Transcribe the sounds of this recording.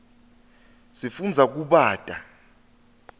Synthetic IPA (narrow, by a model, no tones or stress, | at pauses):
sifund͡zʱak̬uɓaːtʼa